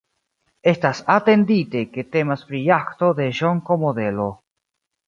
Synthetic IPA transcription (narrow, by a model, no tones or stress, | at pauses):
est̪asat̪end̪it̪eket̪emaspɾiakt̪oðeʒoŋkomoðelo